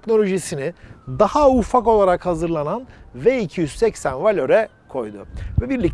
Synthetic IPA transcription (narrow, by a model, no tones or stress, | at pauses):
cno̞lʲo̞ʒisinɪd̪ahaufako̞lˠaɾakhazɯɾlˠananvɛicʰijyz̥sɛcsænvalʲø̞ɾɛ | kʰo̞jd̪ʊ̰vɛbiɾlʲic̚